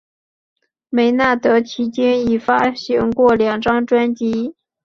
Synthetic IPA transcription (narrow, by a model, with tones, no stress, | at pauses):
me˧˥ɪna˥˩t̪ɤ˧˥t͡ɕʰi˧˥t͡ɕjɛ˥ni˨˩fa˥ɕi˧˥ŋkwɔ˥˩ljɑ˨˩ŋʈ͡ʂɑ˥ŋʈ͡ʂwa˥nt͡ɕi˧˥